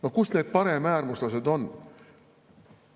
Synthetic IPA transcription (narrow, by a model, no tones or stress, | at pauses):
nokusne̞ːd̪̚pɑɾe̞mæːrmuslɑs̬e̞d̪o̞n